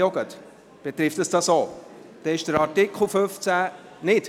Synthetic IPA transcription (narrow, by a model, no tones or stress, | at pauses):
oɡət̪ | b̥ɛt̪ɾɪftəsd̥ɑsoː | d̥ɛɪʃd̥əɾɑɾtɪkχl̩ˠføft͡sæ | nɪt